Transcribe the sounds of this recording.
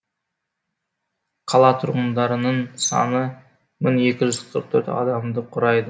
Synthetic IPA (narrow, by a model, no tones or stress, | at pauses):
qʰɑlˠɑt̪ʰʊɾʁənd̪ɑɾənəɴsɑ̰nə | mɪŋe̞kʲɪʒʏzqʰəɾq̚t̪ʰɵ̰ɾt̪ɑ̰d̪ɑmd̪əqʰʊɾɑjd̪ə